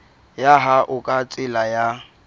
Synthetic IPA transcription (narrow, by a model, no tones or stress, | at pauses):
jaɦaʔʊkʼat͡sʼɪlaja